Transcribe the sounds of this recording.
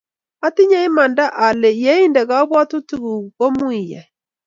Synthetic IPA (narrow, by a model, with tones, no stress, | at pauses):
a˦ti˦ɲa˦i˦ma˨nda˦ʔa˨le˨jɛ˦i˦ndɛ˨ɣa˦βwa˦tu˦ti˦ɣu˨ko˦mwi˨jɛ̰˨